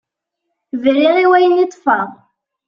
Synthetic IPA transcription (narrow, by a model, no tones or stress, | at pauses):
vliʁiwæjənit̪ˤːfɑʁ